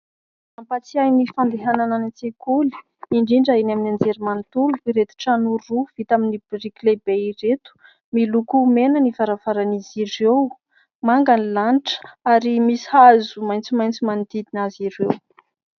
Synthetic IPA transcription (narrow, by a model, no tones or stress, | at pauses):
ampat͡siajnifand̪eɦanananat͡sekuli̥ | iɳɖ͡ʐiɳɖ͡ʐainaminand͡zeɾimant̪uluiɾet̪u̥ʈ͡ʂanuːuv̥it̪aminibɾiklebeiret̪u̥ | milukumenənivaɾavaɾaniziɾew | maŋɡanilanʈ͡ʂə̥aɾimisi̥hazumajnt͡simajnt͡simand̪id̪inaziɾew